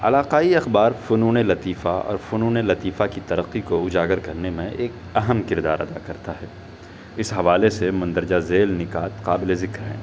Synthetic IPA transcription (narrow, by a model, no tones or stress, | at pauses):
ɐ̰laːqaːiɐxbaːɾfʊnuːnelɐt̪iːfaɔ̰ːɾfʊnuːnelɐt̪iːfakit̪ɐɾəqːikoʊd͡ʒaːɡəɾkɐɾnemẽʔeːk̚ | ɐɦəmkɪɾd̪a̰ːɾɐd̪akɐɾt̪aɦɛː | ɪsɦɐʋaːlesemʊ̃nd̪əɾd͡ʒazeːlnɪkaːt̪qaːbɪlezɪkɾɦɛ̰̃ː